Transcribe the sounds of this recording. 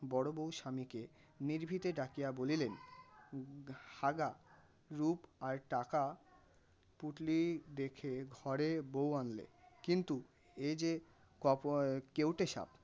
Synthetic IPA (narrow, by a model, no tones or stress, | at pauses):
bɔɽobowʃamike | niɾbʱit̪eɖakijabolilen | ʃaɡa | ɾupaɾʈaka | puʈlid̪ekʰeɡʱɔɾebowanlḛkint̪u | ed͡ʑe | kɔkewʈeʃa̰b̚